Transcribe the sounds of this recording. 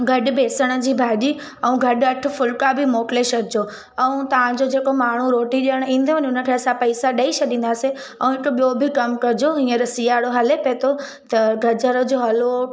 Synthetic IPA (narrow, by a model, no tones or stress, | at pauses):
ɡʱɐɗ̆beːsəɽ̃ə̆d͡ʑiːbʱaːʄi | ɛ̃ũɡʱɐɗɐʈʰʊ̆fʊlkabʱɪmoːkleʃɐdʱɪd͡ʑo | ɛ̃ũt̪ɐʋ̤ãd͡ʑod͡ʑeːkomaːɳ̤uɾoːʈiɗijəɽ̃ĩːn̆d̪ʱoʋəɲʊnə̆kʰeɐsãpɐɪsaɗɐit͡ɕʰɐɗĩːnd̪aːse | ɛ̃ũɦɪkoɓijobʱɪkɐmkɐɾd͡ʑoɦĩːə̃ɾɐsijaːɽoɦɐlepeːt̪ʰo | t̪ɐɡʱɐd͡ʑəɾə̆d͡ʑoɦɐlo